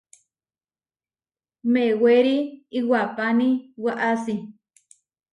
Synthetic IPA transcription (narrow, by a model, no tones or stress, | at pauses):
meweɾiiwapanĩwaʔasi